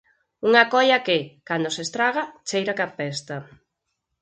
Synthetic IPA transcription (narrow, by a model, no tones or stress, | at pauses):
uŋakɔʎɐkɪkand̪osest̪ɾaɣat͡ʃejɾakapɛst̪ɐ